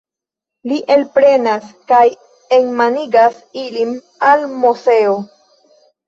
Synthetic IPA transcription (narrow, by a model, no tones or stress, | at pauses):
liʔe̞lpɾe̞naskaj | enmaniɡas | ilim | almuse̞o